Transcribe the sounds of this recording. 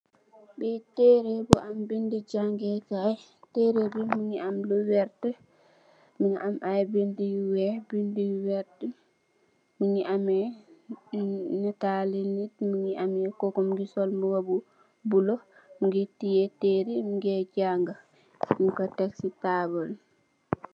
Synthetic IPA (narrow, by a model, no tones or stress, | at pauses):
ɓɛtɛɾebuʔambindid͡ʒaŋɡɛkaj | tɛɾebumiɲiamlɔwɛɾtɛ | minʔamʔajbendijwɛbindiwɛɾtɛ | miɲiʔamɛ | natalenidmiɲiʔamjɛkɔkɔmɡisɔlmuwabu | bulɔ | miŋɡetːijɛteɾimiŋɡɛd͡ʒaŋɡa | miŋkɔtaksitabɔl